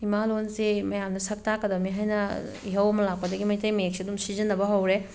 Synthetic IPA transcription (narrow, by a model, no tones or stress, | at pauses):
imalonsimɐjamdɐsɐk̚takɐdɐmiɦajnɐ | iɦɐwɐmɐlak̚pɐdɐɡimɐjtɐjmɐjek̚siɐdumsizɐnːɐbɐɦɐwɾe